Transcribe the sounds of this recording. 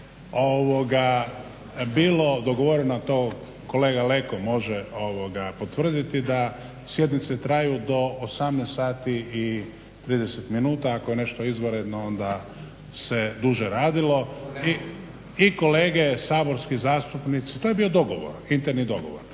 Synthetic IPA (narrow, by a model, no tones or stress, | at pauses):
oʋoɡa | biːlo̞d̪o̞ɡoʋoɾenat̪o | ko̞leːɡale̞komo̞ʒeoʋoɡapo̞t̪ʋr̩d̪it̪id̪a | sje̞d̪nit̪set̪ɾajud̪o̞ːsamnest̪saːt̪ii | t̪ɾiːd̪eset̪minuːt̪aakojene̞ʃt̪oizʋoɾed̪noo̞nd̪a | se̞d̪uʒeɾaːd̪ilo̞i | iko̞le̞ːɡesaːbo̞ɾskizaːst̪upnit̪sit̪o̞je̞biod̪o̞ɡoʋo̰ɾint̪eɾnid̪o̞ɡo̞̰ʋoɾ